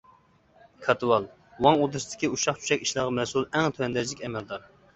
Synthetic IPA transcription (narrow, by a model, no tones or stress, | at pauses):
kʰɑt̪ʰɨwɑlˠ | wɑŋod̪ɨsd̪̥ʰɪ̥kʲiuʃɑχt͡ʃʰy̥ʃɛkʲiʃlˠɑʁɑmɛsulˠɛŋt̪ʰøɛnd̪ɛzlɪkʲɛmɛld̪ɑɾ